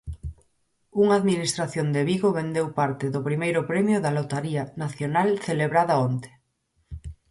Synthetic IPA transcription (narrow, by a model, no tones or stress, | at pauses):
uŋaːðminist̪ɾaθjond̪eβiɣoβend̪ewpaɾt̪ɪðʊpɾimejɾʊpɾɛmjʊðalot̪aɾianaθjonalθeleβɾaðaont̪e̥